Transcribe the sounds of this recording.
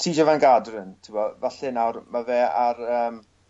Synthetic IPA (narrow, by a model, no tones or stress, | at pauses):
tʰiːd͡ʒɔvanɡadrəntʰɪmɔvaɬɪnawrmavɛːarəːm